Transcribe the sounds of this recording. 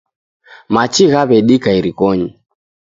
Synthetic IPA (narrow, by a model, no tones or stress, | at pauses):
mat͡ʃiɣaβɛɗikaiɾikɔɲi